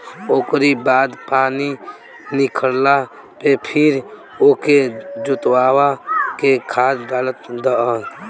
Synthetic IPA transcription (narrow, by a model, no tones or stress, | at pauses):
oːkɾibaːd̪paːni | nɪkʰəɾla | pepʰɪɾ | oːked͡ʒʊt̪waːwakekʰaːd̪d̪aːlət̪d̪əə